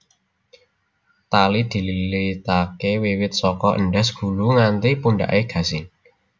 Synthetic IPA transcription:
t̪alid̪̥i̤lilit̪akewiwɪt̪̚sɔkɔʔə̰nɖɛsɡ̥ṳluŋant̪ipunɖa̰ʔeɡ̥ä̤sɪŋ

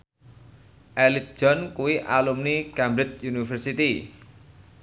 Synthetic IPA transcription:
ʔɛlit̪̚ʒ̥ɔnkuwiʔalumnikɛmbɾɪt͡ʃjunifərsit̪i

